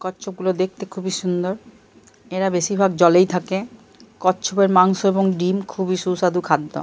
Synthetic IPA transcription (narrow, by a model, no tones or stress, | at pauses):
kɔtːʃʰob̚ɡulod̪ek̚ʰt̪ekʰubiʃund̪oɾ | eɾabeʃibʱaɡd͡ʑɔlejt̪ʰake | kɔtːɕʰobeɾmaŋʃoeboŋɖimkʰubiʃusad̪ukʰad̪ːo̰